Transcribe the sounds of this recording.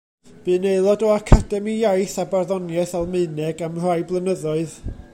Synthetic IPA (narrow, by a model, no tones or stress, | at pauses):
b̥ɨneɨlˠɔdɔakʰadɛmijajθabarðɔnjɛθalˠmɨɨnɛɡamr̥ajblˠənəðɔɨð